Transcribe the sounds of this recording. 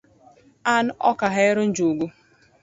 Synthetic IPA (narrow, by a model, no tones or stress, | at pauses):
an̩ɔkaɦaɪɾʊn̩d͡ʒuɡʷu